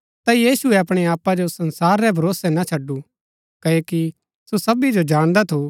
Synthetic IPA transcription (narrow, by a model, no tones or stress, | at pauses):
t̪ajiːsuɛɐpɽ̃ɛaːpad͡ʒosɐnsaːɾːɛbʱɐɾoːsɛnat͡ʃʰɐɖːu | kɐoki | sosɐbid͡ʒod͡ʒaːɽ̃d̪at̪ʰo